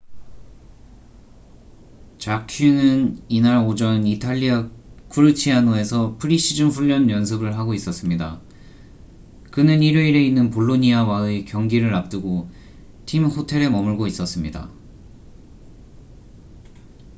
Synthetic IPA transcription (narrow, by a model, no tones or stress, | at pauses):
t͡ɕakʰunɯninaɾod͡ʑʌnitʰaʎːiakʰuɾɯt͡ɕʰianoe̞sʰʌpʰɯɾiɕ͈ʰid͡ʑɯmɸuʎːʌnjʌns̬ʰɯbɯɭɦaɡois͈ʌs͈ɯmɲida | kɯnɯniɾjoiɾe̞inːɯnpoɭːoɲiawaɯekjʌŋɡiɾɯɾap̚t͈ɯɡo | tʰimhotʰe̞ɾe̞mʌmɯɭɡois͈ʌs͈ɯmɲida̰